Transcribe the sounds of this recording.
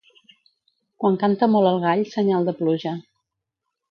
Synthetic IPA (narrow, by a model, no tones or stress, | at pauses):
kwaŋkant̪əmɔlˠəlˠɣ̞aʎsəɲalˠd̪əpluʒə